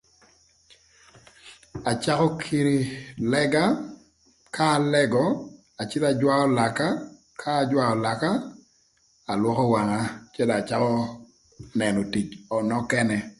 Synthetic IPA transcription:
a˨t͡ʃa˦kɔ˦kʰi˦ɾi˨lɛ˦ɡa˦ | ka˦˨lɛ˦ɡɔ˨ | a˨t͡ʃɪ˦la˨d͡ʒwa˦ɔ˦la˨ka˦ | kʰaː˦d͡ʒwa˦ɔ˨la˨ka˦ | a˨lwɔ˦kɔ˦wa˨ŋa˦t͡ʃɛ˦la˨t͡ʃa˦kɔ˦ | nɛ˨nɔ˨ti˨t͡ʃɔ˨nɔ˦kɛ˦nɛ˨

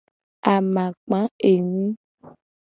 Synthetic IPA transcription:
a˨mã˨k͡pã˨˦e˨nĩ˦

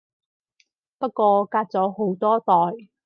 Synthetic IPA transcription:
pɐ˥t̚kʷɔː˧kaː˧t̚t͡sɔː˨˥ho˨˥wt̪ɔː˥t̪ɔː˨j

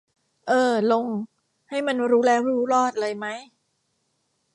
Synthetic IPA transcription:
ʔɤː˧lo˧ŋ | ha˥˩jma˧nɾuː˦˥lɛː˦˥wɾuː˦˥lɔː˥˩t̪̚lɤː˧jma˦˥j

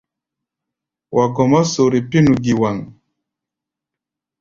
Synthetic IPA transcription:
wʔa˨ɡɔ˨mɔ˦so˨ɾi˨pi˦nu˨ɡi˨wa˨ŋ

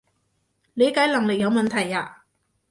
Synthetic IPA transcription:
le˨˧jkaː˨˥jlɐ˨˩ŋlɪ˨k̚jɐ˧wmɐ˨nt̪ʰɐ˨˩jaː˧

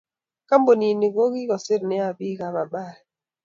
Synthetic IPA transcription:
ka˦mbo˨ni˨ni˨ɡo˦ɣi˦ɣɔ˨se˦ɾnɛ˦a˨bi˦ka˨βa˨ɓa˦˨

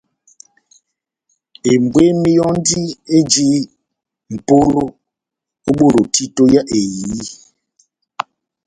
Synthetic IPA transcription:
e˨m˨bwe˦mi˦jɔ˦n˦di˦e˦d͡ʒi˦ | m̩˨po˦lo˦ | o˦ɓo˦˨lo˨tʰi˦to˦ja˦ʔe˨jiː˨˦

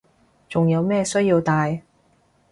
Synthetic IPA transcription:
t͡sʊ˨ŋjɐ˨˧wmɛː˥˧sɵ˥ɥjiː˧wt̪aː˨˧j

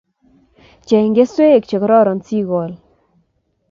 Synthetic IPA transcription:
t͡ʃɛ˨ɪ˨ŋɡe˦swe˦˨kt͡ʃe˨kɾɔ˦ɾɔ˨nsi˦ɣɔ˨l

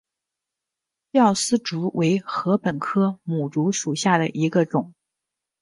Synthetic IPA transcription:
jɑ˥˩ʊsɹ̩˥ʈ͡ʂu˧˥wʔe˧˥ɪxɤ˧˥pə˨˩nkʰɤ˥mu˨˩ʈ͡ʂu˧˥ʂu˨˩ɕja˥˩d̪ə̰˩ʔi˧˥ɡə˧ʈ͡ʂʊ˨˩˦ŋ

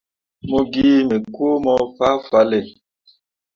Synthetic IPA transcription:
mo˨ɡiː˦me˨kwo˦mɔ˦fa˦fa˨˦le˨

